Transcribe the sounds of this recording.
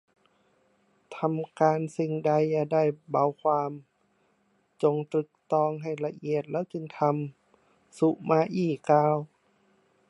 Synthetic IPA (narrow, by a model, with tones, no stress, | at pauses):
t̪ʰa˧mkaː˧nsi˧˩ŋda˧˥jaː˧˩da˧˥˩jba˧˦wkʰwaː˧˥m | t͡ɕo˧ŋt̪ɾɯ˧˩k̚t̪ɔː˧˨ŋɦa˨˩jla˧ʔi˧˨ət̪̚lɛː˧˥˨wt͡ɕɯ˧ŋt̪ʰa˧˥m | su˧ʔmaː˧ʔiː˧˩kaː˧w